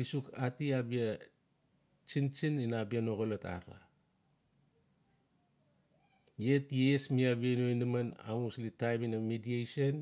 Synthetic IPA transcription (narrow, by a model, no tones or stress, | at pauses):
isukatiabia | t͡ʃint͡ʃininabianoɡolata̰ɾa̰ | jetiesmiabianoinimana̰muslitajminamidiejson